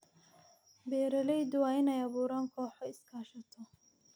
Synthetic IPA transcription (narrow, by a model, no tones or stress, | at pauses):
bɛːɾɐlɛjd̪ʊwɑːɪnɛjɐβuːɾaːŋkʰɔːħɔɪskʰaːʃɐt̪ʰɔ